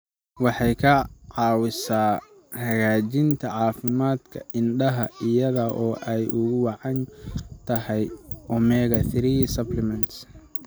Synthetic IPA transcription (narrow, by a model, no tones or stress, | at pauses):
wɑħɑjkʰɐʕɑːwɪsaː | hɐɣaːt͡ʃɪnt̪ʰɐʕɑːfɪmaːd̪kʰɐ̰ʔɪnɖɐɦɐɪjɐðɐʔɔːʔɛjʔʊɣʊwɑʕɑnt̪ʰɐɦɛjʔɔmɛːɣɐθɪɾiːsɐblɪmɐnt̪s